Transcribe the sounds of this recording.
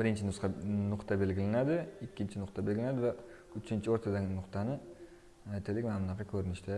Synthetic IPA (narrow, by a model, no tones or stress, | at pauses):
bɪɾɪnt͡ʃʰɪnʊsqɑnʊqt̪ʰabe̞lɡʲɪlanad̪ɪɪkʲːɪnt͡ʃʰɪnʊqt̪ʰabe̞lɡʲlanad̪ɪva | ʊt͡ʃʰɪnt͡ʃʰɪoɾt̪ʰad̪annʊqt̪ʰanɪ | ajt̪ʰɪlɪkʲmamlˠaqɑkʲʰɵɾɪnɪʃd̪a